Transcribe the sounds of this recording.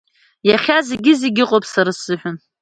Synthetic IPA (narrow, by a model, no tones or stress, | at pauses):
jaχʲaze̞ɡʲɪzeɡʲɪqʼopʼsaɾasɨħʷᶣʊn